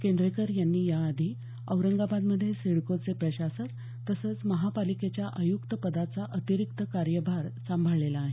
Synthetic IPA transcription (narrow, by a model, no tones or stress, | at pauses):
kend̪ɾekəɾjanːiːjaːd̪ʱi | əwɾəŋɡabad̪məd̪ʱːjeseɽkot͡sepɾəɕasət̪ | t̪ːəsəːt͡sməɦapaliket͡ɕjaʔəjukt̪əpəd̪at͡saʔət̪iɾik̚t̪əkaɾjəbʱaɾsambʱəɭelaːɦe